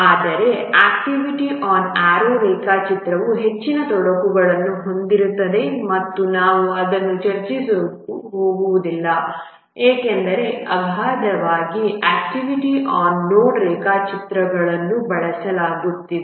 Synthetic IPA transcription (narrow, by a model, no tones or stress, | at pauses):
aːd̪ɐɾe̞aːkʈiʋiʈiʔaːnaːɾoːɾeːkaːt͡ʃit̪ɾɐʋuɦe̞t͡ʃːinɐt̪ɔɽɐkuɡɐɭɐnːuɦo̞nd̪iɾut̪ːɐd̪e̞mɐt̪ːunaːʋuɐd̪ɐnːut͡ʃɐɾt͡ʃisokuɦoːɡuʋud̪ilːɐ | eːke̞nd̪ɐɾe̞ɐbʱaːd̪ɐʋaːɡiʔaːk̚ʈiʋiʈiʔaːnːoːnɾeːkaːt͡ʃit̪ɾɐɡɐɭɐnːubɐɭɐsɐlaːɡut̪ːie